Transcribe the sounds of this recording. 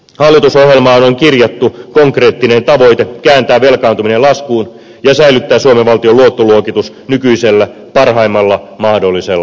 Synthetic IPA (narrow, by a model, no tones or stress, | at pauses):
hɑlːit̪uso̞hjelmɑːonoŋkirjɑt̪ːukoŋkre̞ːt̪ːine̞nt̪ɑʋo̞it̪ekæːnt̪æːʋʋelkɑːnt̪uminelɑskuːn | jɑsæilyt̪ːæːsuomeʋʋɑlt̪ioluot̪ːoluokit̪us | nykyiselːæ | pɑrɦɑimːɑlːɑmɑhdolːiselːɑ